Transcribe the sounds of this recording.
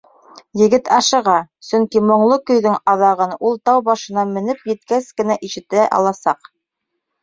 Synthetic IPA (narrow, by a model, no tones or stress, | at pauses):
jɘ̆ɡɘt̪ɑʃɤ̆ʁɑsɵŋkimŏɴlˠɤkɵ̆jðɵŋɑðɑʁɤnulˠt̪ɑwbɑʃɤ̆nɑmɘ̆nɘpjɘ̆t̪kæskɘ̆næʔiʃɘ̆t̪æʔɑ̰lˠɑsɑq